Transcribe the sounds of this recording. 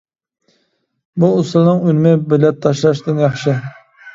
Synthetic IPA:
buːslˠnɨŋylmɪbɪlɛtt̪ʰːɑʃlˠɑʃd̪ɪnjɑχʃɪ

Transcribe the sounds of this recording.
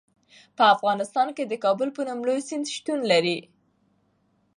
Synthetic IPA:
pəafɣɑnɪst̪ɑnked̪əkɑbʊlpənumlojsɪnd̪ʃt̪unlaɾi

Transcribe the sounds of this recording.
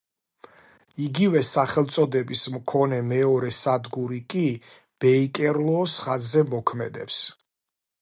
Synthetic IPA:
iɡivɛsaχɛlˠt̪sʼɔd̪ɛbismkʰɔnɛmɛɔɾɛsad̪ɡuɾikʼi | b̥ɛikʼɛɾlˠɔːsχazːɛmɔkʰmɛd̪ɛps

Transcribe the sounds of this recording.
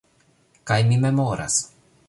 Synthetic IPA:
kajmimemoːɾʔa̰s

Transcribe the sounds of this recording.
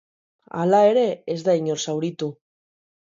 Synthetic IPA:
a̰lae̞ɾe̞ːzd̪aiɲoɾsawɾit̪u

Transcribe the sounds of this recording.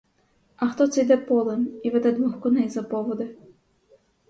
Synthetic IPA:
ɐxt̪ɔt̪sɛjd̪ɛpɔlˠemiʋɛd̪ɛd̪ʋɔxkɔnɛjzɐpɔʋɔd̪ɪ

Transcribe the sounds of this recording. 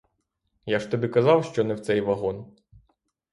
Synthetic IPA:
jaʃt̪ɔbʲikɐzɑwʃt͡ʃɔnɛwt̪sɛjʋɐɦɔn

